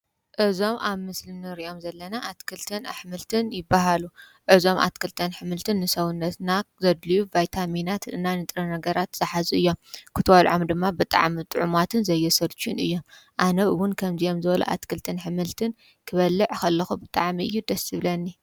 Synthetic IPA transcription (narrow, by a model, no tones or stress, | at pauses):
ʔɨzo̞mʔaβmɨslɨnɨɾiʔo̞mzɐlːɐnaʔat̪kʰɨlt̪ʰɨna̰ħmɨlt̪ʰɨnjɪbːaɦalu | ʕɨzo̞mʔa̰t̪kʰɨlt̪ʰɨnħɨmɨlt̪ʰɨnːɨsɐwunːɐt̪nazɐd̪lijuvajt̪ʰaminat̪ɨ̰nːanɨt̪ʼɾɐnɐɡɐɾat̪z̥ɨħazuɨjːo̞mkʰɨt̪ʰɐwɐlʕomd̪ɨmːabɨt̪ʼa̰ʕmit̪ʼɨʕumat̪ʰɨnzɐjːɛsɐɾt͡ʃʰunɨjːo̞mʔanɐwʊnkʰɐmziʔo̞mzɨβɐlṵʔa̰t̪kʰɨlt̪ʰɨnħɨmɨlt̪ʰɨn | kʰɨβɐlːɨʕkɐlːɐxubɨt̪ʼaʕmiʔɨjːud̪ɐsɨβlɐnːi